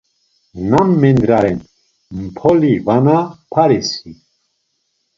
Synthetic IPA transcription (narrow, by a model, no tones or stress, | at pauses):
namːɛnd̪ɾaɾɛn | mpʰɔlivanapʰaɾisi